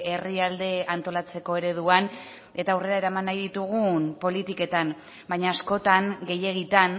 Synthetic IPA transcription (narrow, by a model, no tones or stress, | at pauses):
e̞riald̪e̞ant̪o̞lat͡se̞ko̞e̞ɾe̞ð̞uan | e̞t̪aːwre̞ɾae̞ɾamanːajðit̪uɣ̞unpo̞lit̪ike̞t̪an | bajɲaːsko̞t̪aŋɡe̞je̞ɣ̞it̪an